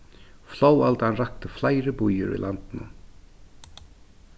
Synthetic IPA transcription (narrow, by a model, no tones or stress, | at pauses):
floːwalt̪hanrahkt̪ɪflaːjɾɪpujʏ̰ɾḭlant̪ɪnʊ̰m